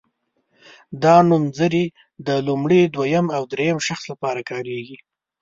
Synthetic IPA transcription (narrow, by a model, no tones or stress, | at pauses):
d̪ɑnumzəɾi | d̪əlumɽid̪wajamawd̪ɾejamʃaxslapɑɾakɑɾeɡi